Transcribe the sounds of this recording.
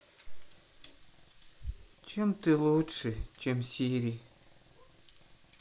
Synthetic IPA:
t͡ɕemt̪ɨlˠutʂɨt͡ɕemsʲiɾʲi

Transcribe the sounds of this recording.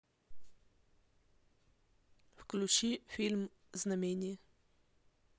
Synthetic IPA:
fklʲʊt͡ɕifʲilʲm | znɐmʲenʲij

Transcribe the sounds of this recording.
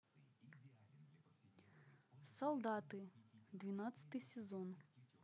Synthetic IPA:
sɐlˠd̪ɑt̪ɪd̪ʋʲinɑt̪sʲɐ̥t̪ɨjsʲezɔn

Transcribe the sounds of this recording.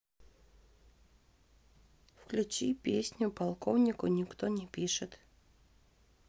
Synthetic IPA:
fklʲut͡ɕipʲesʲnʲʊpalˠkownʲɪkʊnʲɪkt̪onʲɛpʲiʂɨt̪

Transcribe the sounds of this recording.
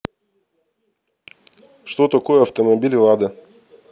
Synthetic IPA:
ʃt̪ot̪ɐkojɐft̪omobʲilʲlˠɑd̪ə

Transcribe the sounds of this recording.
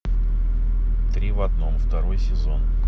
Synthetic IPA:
t̪ɾʲivɐd̪no̞mft̪ɐɾo̞jsʲɪzonk

